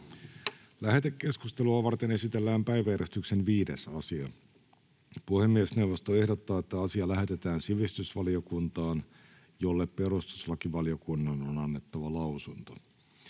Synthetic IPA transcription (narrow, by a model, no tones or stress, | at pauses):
læɦe̞t̪ekːe̞skust̪eluɑʋɑrt̪ene̞sit̪elːæːmpæjʋæjæɾest̪yksenʋiːdesɑsiɑ | puhemːiesne̞uʋost̪oe̞hdot̪ːɑːet̪ːæɑsiɑlæɦe̞t̪e̞t̪æːnsiʋist̪ysʋɑlio̞kunt̪ɑːn | jo̞lːeppe̞ɾust̪u̥slɑkiʋɑlio̞kunːɑnonɑnːe̞t̪ːɑʋɑlɑwsunt̪o